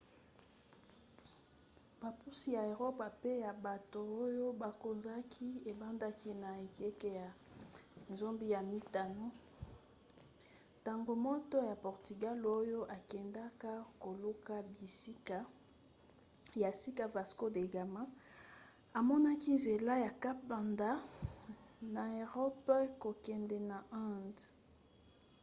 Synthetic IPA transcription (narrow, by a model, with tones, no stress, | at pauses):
ba˨pu˦si˦ja˨e˨ʁo˦pa˨pe˦ja˨ba˨to˨o˦jo˦ba˨ko˨nza˦kʰi˦e˨ba˦nda˦ki˦na˨e˨ke˦ke˦ja˨ | nzo˦mbi˦ja˨mi˦ta˨no˦ | ta˨ŋɡo˨mo˦tɔ˦ja˨pɔ˨ʁty˨ɡa˦lo˦jo˦ʔa˨kɛ˨nda˦ka˦ko˨lu˦ka˦bi˨si˦ka˦ | ja˨si˦ka˦va˨sko˦de˨ɡa˨ma˦ | a˨mɔ˦na˦ki˦nze˨la˦ja˨ka˦ba˨nda˦ | na˨e˨ʁɔ˦pko˨kɛ˨ndɛ˨na˨ã˦nd